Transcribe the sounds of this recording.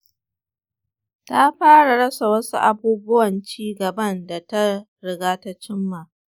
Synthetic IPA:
ta˦ɸaː˦ɽa˨ɽɐ˦sa˨wɐ˦sṵ˦ʔa˦buː˦bʊ˦wɐ˨nt͡ʃiː˦ɡɐ˨bɐ˦nda˨ta˦ | ɽɪ˨ɡaː˦ta˦t͡ʃɪ˦mːa˨

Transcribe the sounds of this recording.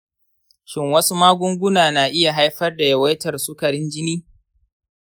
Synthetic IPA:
ʃɪ˦ŋwɐ˦su˦maː˦ɡʷʊ˦ŋɡʷʊ˦naː˨na˨ʔɪ˦ja˨ɦa˦jɸɐ˦rda˨jɐ˨wɐ˦jtɐ˨rsu˦kɐ˨ɽɪ˦nd͡ʒɪ˦niː˦

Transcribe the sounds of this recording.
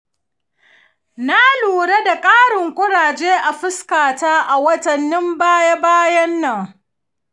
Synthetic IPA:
na˦luː˨ɽe˦da˨kʼaː˦ɽɪ˨ŋkʷʼʊ˦ɽaː˨d͡ʒeː˦ʔa˨ɸɪ˦skaː˨taː˦ʔa˨wɐ˦tɐ˨nːɪ˦mbaː˦ja˦baː˦jɐ˦nːɐ˨ŋ

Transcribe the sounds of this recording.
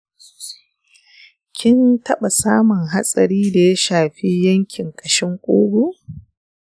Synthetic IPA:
kʲʰɪ˦ntɐ˦ɓa˨saː˦mʊ˨ŋɦa˦sʼɐ˨ɾiː˦da˨ja˦ʃaː˨ɸi˦jɐ˦ŋkʲɪ˨ŋkʼɐ˨ʃɪ˦ŋkʷʼoː˦ɡʷu˦˨ʔ

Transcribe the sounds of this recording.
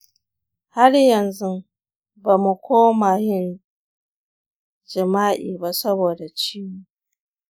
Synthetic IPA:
ha˦ɽjɐ˨nzʊ˦m | ba˨mu˨kʷʰoː˦maː˨jɪ˦n | d͡ʒɪ˨maː˦ʔiː˨ba˦sɐ˦boː˨da˨t͡ʃiː˦mu˦

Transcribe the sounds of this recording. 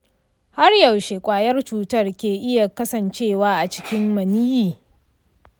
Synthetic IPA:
ha˦rjɐ˨wʃe˨kʷʼaː˨jɐ˦rt͡ʃuː˦tɐ˦˨rkʲeː˨ʔɪ˦ja˨kɐ˦sɐ˨nt͡ʃeː˦˨waː˦ʔa˨t͡ʃɪ̥˦kʲɪ˦mmɐ˨niː˦jiː˨

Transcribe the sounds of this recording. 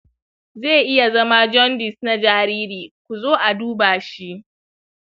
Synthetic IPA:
zeː˦˨ʔɪ˦ja˨zɐ˦ma˦d͡ʒɔ˦ndɪ˨sna˦d͡ʒaː˦ɾiː˦ɾiː˨k̚ʷu˨zoː˦ʔa˨duː˦baː˨ʃi˦ʔ

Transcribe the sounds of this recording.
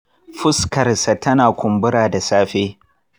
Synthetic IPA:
ɸʊ˦skɐ˨rsa˨tɐ˦naː˨kʷʊ˨mbʊ˦ɾaː˨da˨saː˦ɸeː˦

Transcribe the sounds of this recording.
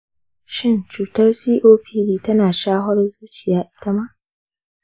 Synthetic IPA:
ʃɪ˦˨nt͡ʃuː˨tɐ˦rsiː˦ʔoː˦ɸʰiː˦liː˦tɐ˦naː˨ʃaː˦ɦɔ˦rzuː˦t͡ʃɪ˨jaː˦ʔtɐ˦ma˦

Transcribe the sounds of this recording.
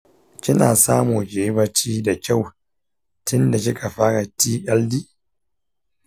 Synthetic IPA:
kʲɪ˦na̰ː˨saː˦muː˨d͡ʒeː˦bɐ˦t͡ʃiː˦da˨kʲa˦˨w | tʰɪ˦nda˨k̬ʲɪ˦ka˨ɸaː˦ɽa˨tiː˦ʔɐ˦ldiː˦

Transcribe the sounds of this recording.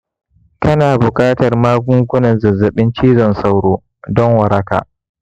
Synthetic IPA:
kɐ˦naː˨bʊ˨kʼaː˦tɐ˨rmaː˦ɡʷʊ˦ŋkʷʊ˦nɐ˨nzɐ˨zːɐ˨ɓɪ˦nt͡ʃiː˦zɔ˨nsa˦wɽoː˦ | dɔ˦ŋwɐ˨ɾɐ˦ka̰ː˨ʔ

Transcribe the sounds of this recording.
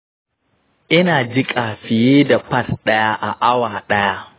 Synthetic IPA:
ʔɪ˦naː˨d͡ʒɪ˦kʼaː˨ɸɪ˨jeː˦da˨pɐ˦˨tɗɐ˦ja˦ʔa˨ʔa˦waː˨ɗɐ˦ja˦

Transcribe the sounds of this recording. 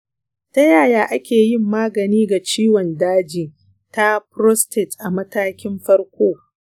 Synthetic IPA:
tɐ˦jaː˨jaː˦ʔa˦kʲeː˨jɪ˦mːaː˦ɡɐ˨niː˦ɡa˨t͡ʃiː˦wɔ˨ndaː˦d͡ʒiː˨ | ta˦pɾɔ˦stɪ˨tʔa˨mɐ˦taː˦kʲɪ˦mɸɐ˦rkʷoː˦

